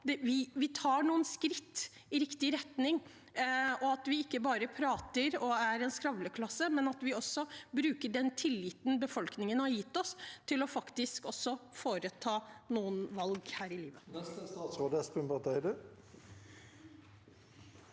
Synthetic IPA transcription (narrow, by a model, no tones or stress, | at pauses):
d̪ɛʋɪʋɪt̪ʰɑːɳuːənskɾɪt̪ː | ɪɾɪkt̪ɪɾɛt̪nɪŋ | ɔɑt̪ʋɪɪkːəbɑːɾəpʰɾɑːt̪əɾɔæɾɛnskɾɑʋləkʰlɑsːəmɛnɑt̪ʋɪɔsːɔbɾʉːkəɖɛnt̪ʰɪlːɪt̪n̩bəfɔlknɪŋənhɑɾjɪt̪ːɔst̪ʰɪlɔfɑkt̪ɪskɔsːɔfoːɾət̪ʰɑːnuːənʋɑlɡhæːɾɪliːʋənɛst̪əst̪ɑːt̪sʁoːd̪əspɪmpɑʁt̪ʰɛɪd̪ʉ